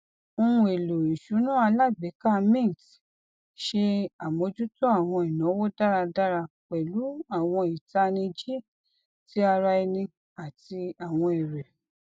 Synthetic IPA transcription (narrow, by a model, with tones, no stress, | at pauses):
o˧ũ˧e˨lo˨i˨ʃu˨˦nũ˦a˧la˦˨ɡ͡be˨˦ka˦˧mẽ˦˨ti˨ | ʃe˧a˨mo˧d͡ʒu˦tɔ˦a˦˨w̃ɔ̃˧i˨nɔ̃˨˦wo˦da˦ɾa˧da˦ɾa˧k͡pɛ˨lu˨˦a˦˨w̃ɔ̃˧i˨ta˧nĩ˧d͡ʒe˦˨ | ti˨˦a˧ɾa˧i˧nĩ˧ | a˨ti˧a˨w̃ɔ̃˧i˨ɾɛ˨